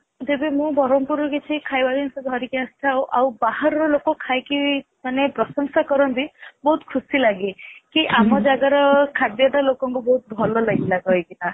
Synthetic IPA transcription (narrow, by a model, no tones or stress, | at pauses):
d͡ʒebemũbɔɾɔmpuɾɔkit͡ʃʰikʰajbad͡ʒɔnsɔd̪ʱɔɾikjãsʈʰawʔawbaɦaɾɔɾɔlokɔkʰajki | manepɾɔsɔŋsakɔɾɔnt̪ibɔɦut̪kʰusilaɡikiʔamɔd͡ʒaɡaɾɔkʰad̪jɔd̪alokɔŋkubɔɦut̪̚bʱɔlɔlaɡilaɡɔjkina